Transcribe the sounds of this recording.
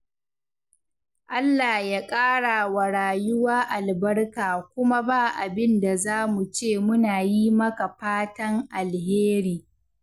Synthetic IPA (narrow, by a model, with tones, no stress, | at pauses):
ʔa˦lːa˨hjaː˦kʼaː˦ɽa˨wa˨ɽaː˨jʊ˦waː˦ʔa˨lbɐ˦rkaː˨kʷʊ˦ma˦baː˦˨ʔa˨bɪ˦nda˨zaː˦mu˨t͡ʃeː˦˨mʊ˦naː˨ji˦mɐ˦ka˨ɸaː˦tɐ˦ŋʔa˨lheː˦ɾiː˨